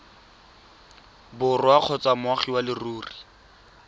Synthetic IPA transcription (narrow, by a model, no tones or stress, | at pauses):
bʊrʊaq͡χʰɔt͡samʊaχiwalɪruːri